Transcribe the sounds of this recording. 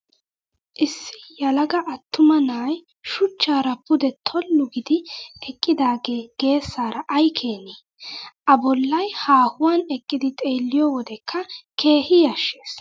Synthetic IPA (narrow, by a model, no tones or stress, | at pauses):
ʔɪsːɪjɐlɐɡɐʔɐt̪ːʊmɐnaːj | ʃʊt͡ʃːaːɾɐpʊd̪ɛt̪ʰɔlːʊɡɪd̪ɪɛkʼːɪd̪aːɡeːɡ̥e̞ːsːaːɾɐʔɐjkʰe̞ːniː | ʔɐbɔlːɐjhaːhʊwanɛkʼːɪd̪ɪt̪ʼe̞ːlːɪjɔwɔd̪ɛkʰːɐkʰe̞ːhɪjɐʃːe̞ːs